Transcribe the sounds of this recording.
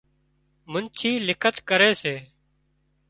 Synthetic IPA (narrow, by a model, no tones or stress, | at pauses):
mʊnt͡ʃʰiːlɪkʰət̪kəɾeːseː